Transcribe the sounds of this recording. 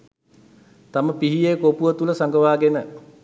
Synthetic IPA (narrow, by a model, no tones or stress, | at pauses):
t̪aməpiɦijekopuʋət̪uləsaŋɡəʋaːɡenə